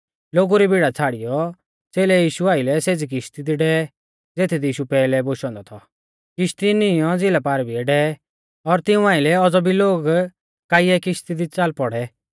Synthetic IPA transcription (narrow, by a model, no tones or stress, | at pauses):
loːɡuɾibiɽat͡sʰaːɽɪjɔ | t͡seːlɛjiːʃuaːɪlɛseːd͡zik̬ɪʃt̪id̪iɖɛːɛ | d͡zeːt̪ʰid̪iiːʃupɛːlɛboʃɔ̃nd̪ɔt̪ʰɔ | kɪʃt̪inɪjɔ̃d͡zɪlapaːɾbiɛɖɛːɛ | ɔɾt̪ɪũaːɪlɛɔd͡zɔbʱiloːɡ | kaːiɛkɪʃt̪id̪it͡saːlpɔɽɛ